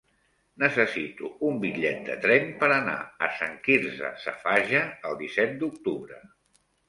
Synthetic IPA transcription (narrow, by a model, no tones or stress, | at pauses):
nəsəsit̪uumbiʎɛt̪̚d̪ə̰t̪ɾɛnpəɾəna̰əsaŋkiɾzə̰sə̰faʒəːlˠd̪isɛt̪̚d̪uk̚t̪uβɾə